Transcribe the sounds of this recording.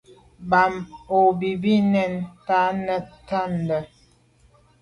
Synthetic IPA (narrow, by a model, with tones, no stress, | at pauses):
ba˨mo˨bi˨bi˦nɛ˦˨nta˦nə˦ta˦n˨də˨